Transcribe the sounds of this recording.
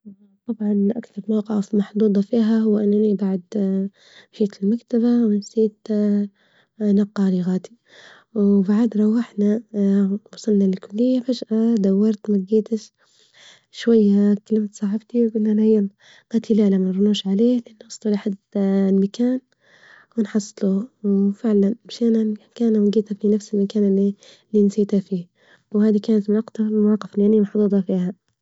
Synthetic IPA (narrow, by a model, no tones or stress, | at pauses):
t̪ˤɑbʕɑnʔakθɑɾˤmaːqɪʕafmɑħd̪ˤuːd̪ˤɑfiːɦaɦʊwːaʔɪnːanibaʕd̪ | hiːt̪ɪlmakt̪aβawɪnsiːt̪ | nɑqːɑliɣaːt̪i̥ | wbaʕad̪ɾˤɑwʔɪħna | wʊsˤɑlːalɪlkʊlːɪjːafaʒʔad̪awːɑɾˤt̪mat̪ɡiːt̪ɪʃ | ʃwajːakalɪmat̪sˤɑħɪft̪iwɡʊlʔanahɪjːan | mat̪ilɪʕlamanɾˤnuːʃʕaleːlɪʔanːɑsˤlulaħad̪lmakaːn | wɪnħɑsˤːluwfɪʕlanaʃaːnankaːnawnɡiːt̪hafinafsɪlmakaːnɪli | lːinsiːt̪hafiː | whaːd̪ikaːnat̪mnʔaqt̪ɑɾmawɑːqːɪfaljaːnimʊħd̪ˤuːd̪ˤɑfiːha